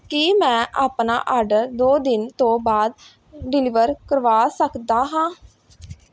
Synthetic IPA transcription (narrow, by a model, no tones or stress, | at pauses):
kiːmɛ̃ːʔaːpna̰ːʔaːɾɖəɾd̪oːd̪ɪnt̪õːbaːd̪ | ɖɪlɪːʋəɾkəɾʋaːsəkd̪aːɦãː